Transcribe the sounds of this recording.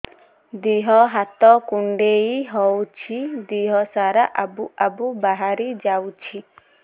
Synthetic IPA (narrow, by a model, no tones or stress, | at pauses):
d̪iɦɔɦat̪ɔkuɳɖeiɦɔwt͡ʃʰid̪iɦɔsaɾaʔabuʔabubaɦaɾid͡ʒawt͡ʃʰi